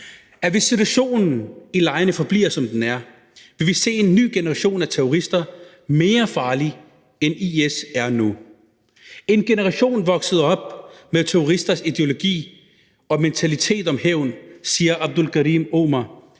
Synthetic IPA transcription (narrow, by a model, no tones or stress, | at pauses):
æʋe̝sːit͡sʰuæɕo̝̰ːnn̩ilɑ̈ɪənəfɒ̽b̥lḭːɐsɒ̽md̥enæɐ | ʋe̝ʋise̝̰ːe̝nːy̰ːɡ̥e̝nəʁɑ̈ɕo̝̰ːnæt͡sʰeoʁisd̥ɐ | me̝ːɐfɑ̈ːli | eniesæɐnu | e̝nɡ̥e̝nəʁɑɕo̝̰ːnʋɒ̽ɡ̥səð̞̩ˠɒ̽b̥meðˠt͡sʰeoʁisd̥ɐsid̥e̝o̝lo̝ɡ̥ḭː | ɒ̽ment͡sʰælit͡sʰe̝̰ːd̥ɒ̽mheʊ̰n̩siːɐʔɑ̈b̥̚d̥ulɡ̥ʰæʁimo̰ːmɐ